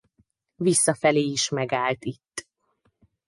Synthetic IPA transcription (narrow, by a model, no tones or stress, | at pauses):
visːɒfɛleːiʃmɛɡaːlt̪it̪ː